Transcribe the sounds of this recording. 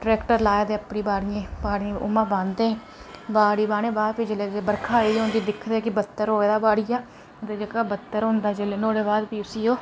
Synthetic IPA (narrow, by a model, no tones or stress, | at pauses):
ɖɾɛːkʈəɾlaːeːd̪eːəpɳiːbaːɽɪjẽːbaːɽĩʊ̰mãːbãːnd̪eːɦ | baːɽiːbaːnẽːbaːpɪd͡ʒəleːebəɾkʰaːiːd̪õːnd̪iːd̪ɪkʰːd̪eːkɪbət̪ːəɾɦoːeːd̪aːbaːɽijaː | d̪eːd͡ʒəkaːbət̪ːəɾɦõnd̪aːd͡ʒeleːnoːɽeːbaːd̪biːʊsiːoː